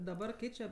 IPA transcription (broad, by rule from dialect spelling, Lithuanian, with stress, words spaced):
dɐˈbɐr ˈkʲɛɪt͡ʃʲɛ